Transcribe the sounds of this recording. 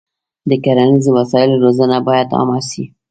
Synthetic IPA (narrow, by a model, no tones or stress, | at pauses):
dekɐɾaniziwɐsaːjɪlɾozanabajat̪a̰masḭ